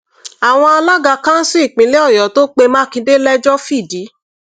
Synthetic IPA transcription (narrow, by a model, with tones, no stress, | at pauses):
a˨w̃ɔ̃˧a˧la˦ɡa˧kã˦n̩˦si˦i˦˨k͡pĩ˨˦le˦ɔ˦˨jɔ˨˦to˦k͡pe˧mãː˦kĩ˧de˦lɛ˦d͡ʒɔ˦fi˦˨di˨˦